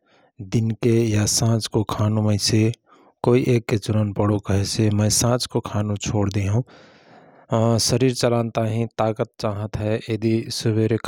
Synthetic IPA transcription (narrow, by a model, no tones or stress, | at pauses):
d̪ɪnkejasãːt͡ʃkokʰaːnũməɪse | koːiʔeːkːet͡ʃʊɾənpəɽ̤okəɦɛsemɛ̃ːsãːt͡ʃkokʰaːnũt͡ʃʰoːɽd̪eɦũ | səɾiːɾt͡ʃəlãːnt̪aɦĩt̪aːkət̪̚t͡ʃaːɦət̪ɦɛjed̪isʊbeɾkʰ